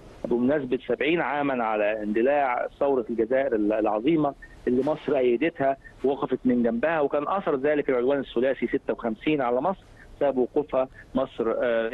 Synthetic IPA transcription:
ʔæbumʊnæs̬bɪt̪sæbʕiːnʕaːmænʕalæɪnd̪ɪlaːʕsɑwɾˤɑlɡæzæːʔɪɾɪlʕɑðˤiːmɑʔelːimɑsˤɾʔæjːɪd̪ɪt̪hæwwɑqɑfɑt̪mɪnɡæmbɪhæwekæːnʔɑθɑɾˤzæːlɪkɪlʕod̪wæːnɪsːʊlæːsisɪt̪ːæwxæmsiːnʕalæmɑsˤɾ | sæbæbwoquːfhæmɑsˤɾ

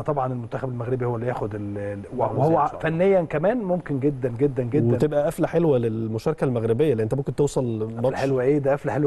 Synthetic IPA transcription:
t̪ˤɑbʕɑnelmont̪æxæbelmæɣɾebihowːælːijæːxod̪elwwehowːæfænːejːænkæmæːnmomkenɡed̪ːænɡed̪ːænɡew̪ːeænt̪ebʔæʔæflæħelwælelmoʃɑːɾˤɑkælmæɣɾebejːælːiːʔent̪æomkent̪ewsˤɑlmɑħelwæʔeːd̪æʔæflæħelw

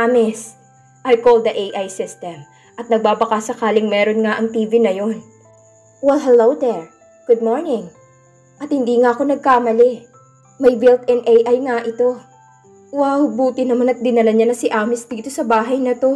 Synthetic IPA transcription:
ʔaːmɪs | ʔɐjkold̪ɐʔejʔajsɪst̪ɛm | ʔɐt̪̚nɐɡ̚baːbɐkasɐkaːlɪŋmɛːɾo̞nŋaʔɐŋt̪iːvinɐjo̞n | wɛlɦɛlowd̪ɛɹ | ɡ̥ʊd̪̚moɹnɪŋ | ʔɐt̪̚hɪnd̪iːŋaʔɐko̞nɐɡ̚kaːmɐlɛ | mɐjbɪlt̪ɛnʔɛjʔajŋaʔɪt̪o̞ | wahʊbuːt̪ɪnɐmanɐt̪̚d̪ɪnɐlɐɲanɐsɪʔaːmɪsd̪iːt̪o̞sɐbaːɦɐjnɐt̪o̞

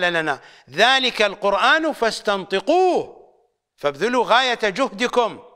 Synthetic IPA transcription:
lalana | ðaːlɪkalqʊɾʔaːnfast̪ɑnt̪ˤɨquːh | fabðɪluːɣaːjat̪d͡ʒʊhd̪ɪkʊm

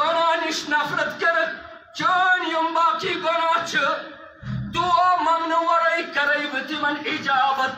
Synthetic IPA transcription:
ɐnaːniʃnɐfɾɐt̪kɐɾɐk | t͡ʃəːnjɐmbaːkiːɡɐnaːt͡ʃʰɨ | d̪uːaːmɐŋnɐwɐɾɐjkɐɾɐjʋɨt̪imɐnid͡ʒaːʋɐt̪̚

